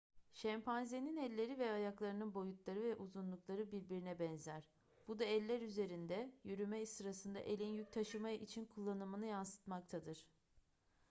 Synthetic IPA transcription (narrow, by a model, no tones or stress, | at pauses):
ʃɛmpʰanzeninɛlʲːe̞ɾivɛajaklˠaɾɯnɯnbo̞jut̪lˠaɾɯvɛʔuzunlˠuklˠaɾɯbiɾbiɾinɛbɛnzæɾ̥ | b̥ud̪aɛlʲːæɾyze̞ɾind̪ɛjyɾymɛisɯɾasɯnd̪a̰ʔe̞lʲinjuc̚t̪ʰaʃɯmait͡ʃʰinkʰulˠːanɯmɯnɯjansɯ̥t̪mak̚t̪ʰad̪ɯɾ̥